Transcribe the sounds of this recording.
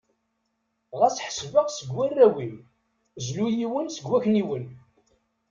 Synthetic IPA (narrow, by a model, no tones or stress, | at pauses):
ʁæsħə̥svəʁsəɡwærːæwim | zlujiwənsəɡːæçniwən